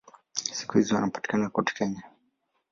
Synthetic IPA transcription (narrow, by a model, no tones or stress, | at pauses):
si̥kuhizianapḁti̥kanaakɔti̥kɛɲa